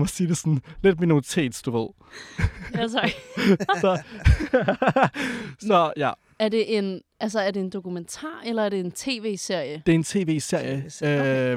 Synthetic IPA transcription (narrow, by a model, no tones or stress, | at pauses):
mɒsiːde̝sɔnled̥̚mino̝ːt͡sʰe̝̰ːd̥sd̥uʋeð̰ˠ | s | sɒ | sɒ̽jæ | æɐd̥e̝ʔen | æls̬ɐæɐdeːnd̥o̝kument͡sʰɑ̰̈ːelɐæɐɾ̥e̝ːnt͡sʰe̝̰ːʋe̝̰ːse̝ɐ̰jəd̥e̝e̝nt͡sʰe̝̰ːʋe̝̰ːse̝ɐ̰jəø